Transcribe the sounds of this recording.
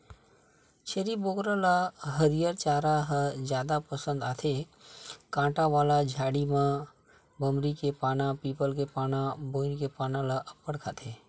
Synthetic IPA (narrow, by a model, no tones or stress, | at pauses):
t͡ʃʰeːɾiboɡɾalaɦəɾijəɾt͡ʃaːɾaɦəd͡ʒjaːd̪apəsə̃nd̪aːt̪ʰe | kãːʈaʋaːlad͡ʒʱaːɽimã | bəmɾikepaːnãpiːpəlkepaːnãboːɪnkepaːnãlaʔəpːəɽkʰa̰t̪ʰe